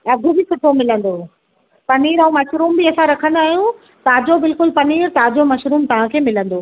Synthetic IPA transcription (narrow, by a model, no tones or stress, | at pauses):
ɐɡʱʊbisʊʈʰomɪlə̃nd̪o | pɐniːɾɐ̃ũmɐʃɾuːmbiɐsãɾɐkʰə̃nd̪aːɦijũ | t̪ɐãd͡ʑobɪlkʊlpɐniːɾt̪ɐãd͡ʑomɐʃɾuːmt̪ɐʋ̤ãkʰeːmɪlə̃nd̪oː